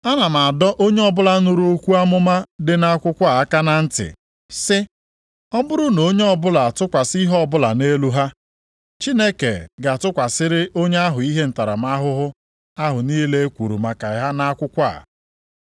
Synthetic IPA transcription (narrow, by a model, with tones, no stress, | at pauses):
a˦na˨ma˨a˨dɔ˦ʔo˦ɲe˦ɔ˦bʊ˦la˦nʊ˦ɾu˦o˦kʷu˦a˦mʊ˦ma˦dɪ˨na˦a˦kʷʊ˦kʷa˦˨a˦ka˦na˦n̩˦tɪ̰˨ | sɪ˦ | ɔ˦bʊ˦ɾʊ˦no˦ɲe˦ɔ˦bʊ˦la˨a˨tʊ˦kʷa˨si˦ɦɔ˦bʊ˦la˨ne˦lu˦ɦa˦ | t͡ʃi˦ne˦kḛ˨ɡa˨tʊ˦kʷa˨sɪ˦ɾɪ˦ʔo˦ɲe˦a˦ɦʊ˨i˦ɦe˦n̩˨ta˨ɾa̰˨m˦a˦ɦʊ˦ɦʊ˦ | a˦ɦʊ˨niː˦le˦e˦kʷu˨ɾṵ˨ma˨ka˨ɪ˨ɦa˦na˦kʷʊ˦kʷa̰˦˨